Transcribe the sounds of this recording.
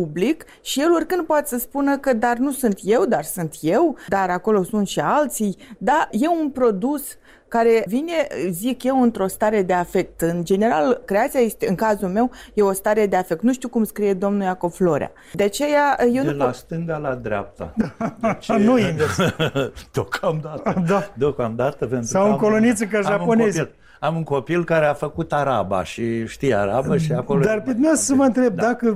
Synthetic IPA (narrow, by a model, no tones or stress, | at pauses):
publik | ʃije̞lorʲkɨnd̪̚poat̪səspunəkəd̪arnusunt̪je̞wd̪arsunt̪je̞wd̪aɾako̞lo̞sunt̪ʃialt̪sijd̪aje̞unpɾo̞d̪us | kaɾe̞vine̞zikje̞wɨnt̪ɾo̞st̪aɾe̞d̪e̞afe̞k̚t̪ɨnd͡ʒe̞ne̞ɾalkɾe̞at̪siaje̞st̪e̞ɨŋkazulme̞wje̞o̞st̪aɾe̞d̪e̞afe̞k̚t̪nuʃt̪ukumskɾije̞d̪o̞mnujako̞vflo̞ɾʲḛa̰ | d̪eat͡ʃe̞jajeelast̪ɨŋɡalad̪ɾeap̚t̪a̰aʃinuinve | d̪̥okʰamd̪at̪əd̪ad̪okamd̪at̪əpe̞nt̪ɾuawukolonit̪səkaʒauŋpo̞nezil | amuŋko̞pilkaɾeafəkut̪aɾaba̰ʃiʃt̪ija̰ɾabəʃiakolod̪arpɨt̪meassəməɨnt̪ɾe̞b̚d̪akə